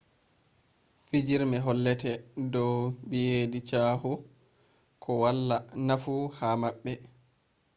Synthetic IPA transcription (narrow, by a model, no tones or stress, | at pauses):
fid͡ʒiɾmɛɦɔlːɛtɛdɔwbijedit͡ʃaːhu | kʰɔwalːanafuhamaɓːɛ